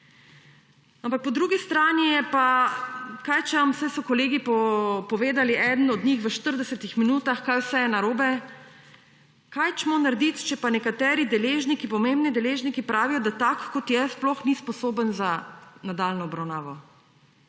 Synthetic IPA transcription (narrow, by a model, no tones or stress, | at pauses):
ampak̚pɔd̪ɾuːɡist̪ɾaːnijɛpa | kajt͡ʃɛʋamsɛsɔkɔleːɡipɔpɔʋeːd̪aliʔɛd̪ən̩ɔd̪nixʋəʃt̪əɾd̪ɛsɛt̪ixminuːt̪axkajwsɛjɛnaɾoːbɛ | kajt͡ʃmɔnaɾd̪it̪t͡ʃɛpanɛkat̪ɛːɾid̪ɛleːʒnikipɔmembnid̪ɛleːʒnikipɾaːʋijɔd̪at̪akːɔt̪jɛsplɔxnispɔsoːbənzanad̪alnɔːbɾawnaːʋɔ